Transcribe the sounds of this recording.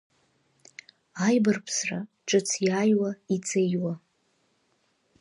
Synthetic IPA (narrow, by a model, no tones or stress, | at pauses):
ajbarpʰsra | ʈ͡ʂʼɨt͡sʰjaːjwait͡sʰʼejwa